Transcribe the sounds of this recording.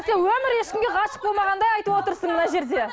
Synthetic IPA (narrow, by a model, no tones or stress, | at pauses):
sewɵmɪɾje̞ʃkʲɪmɡʲeqʰɑʃə̥p̚bo̞lˠmɑʁɑnd̪ɑjɑjt̪əwo̞t̪əɾsəɴmənɑʒe̞ɾd̪e